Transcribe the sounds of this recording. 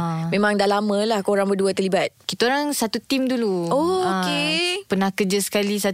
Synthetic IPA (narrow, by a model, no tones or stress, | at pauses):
mẽmãŋdaʔlamə̃lahkoɾaŋbəduət̪ərlibat̪̚kit̪aoɾaŋsat̪ut̪imduluookepənahkəd͡ʒəsə̥kalisa